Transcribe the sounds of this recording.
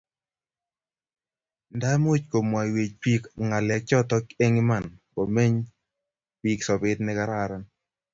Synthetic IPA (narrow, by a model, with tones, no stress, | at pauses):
nda˦m˦o˦t͡ʃko˨mwa˨we˨t͡ʃpi˦kŋa˨lɛ˨k̚t͡ʃɔ˦t̪ɔ˦ke˦ŋi˦ma˨nko˨me˦ɲ | pi˦ksɔ˨bɪ˦t̪nɪ˦ka˦ɾa˦ɾa˦n